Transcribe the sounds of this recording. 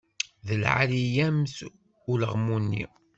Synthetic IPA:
ðəlʕa̰lijæms | ʊləʁmunːḭ

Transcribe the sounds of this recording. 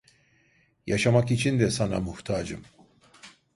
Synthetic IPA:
jɑʃamakit͡ʃʰind̪ɛsana̰muht̪ʰaːd͡ʒɨ̰m

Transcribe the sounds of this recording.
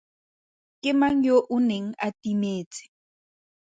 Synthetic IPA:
kemaŋjoʔʊnɪŋa̰t̪imeːt͡sɪ̥

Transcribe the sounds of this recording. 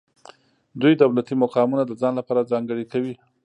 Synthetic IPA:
d̪ujd̪awlat̪imʊqɑmunad̪əd͡zɑnlapɑɾad͡zɑŋɡəɽikawi

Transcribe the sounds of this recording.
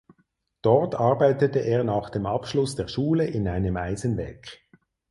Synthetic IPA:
d̥ɔʁtɑɐbaɪtətəʔeːɐnaːχd̥eːmɑpʃlʊsd̥eːɐʃuːləʔɪnaɪnəmaɪzənvɛ̰ːk

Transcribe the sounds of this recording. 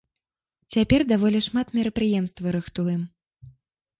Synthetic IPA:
t͡sʲapʲɛrd̪avɔlʲɛʂmat̪mʲɛɾɐpɾɨjɛmst̪vɨɾɨxt̪ujɛm

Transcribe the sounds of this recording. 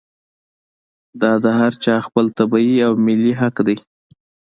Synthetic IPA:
d̪ɑd̪əɦaɾt͡ʃɑxpəlt̪abɑiawmɪliɦaqd̪aj

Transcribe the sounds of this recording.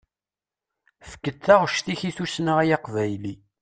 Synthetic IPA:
fə̥kːəd̪θæʁʃθiçiθusnaʁæjɑqvæjli

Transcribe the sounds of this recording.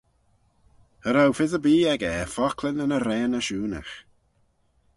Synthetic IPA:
həɾawfɪzəbiːɛɡɛfɔkʰlɪnənəɾɛːnəʃuːnə̰x

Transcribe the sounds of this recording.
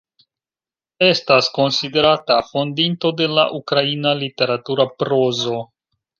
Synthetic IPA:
e̞stasko̞nside̞ɾatafo̞ndinto̞de̞la̰ʔukɾainalite̞ɾatuɾapɾo̞zo̞

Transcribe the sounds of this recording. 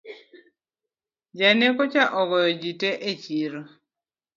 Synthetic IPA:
d͡ʒanekɔt͡ʃaʔɔɡɔjɔd͡ʒiteʔet͡ʃiɾo

